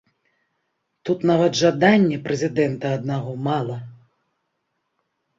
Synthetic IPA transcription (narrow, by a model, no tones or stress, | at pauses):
t̪ut̪navɐd̪ʐad̪anʲːɛpɾɛzʲid̪ɛnt̪ɐɐd̪naɣɔmalˠɐ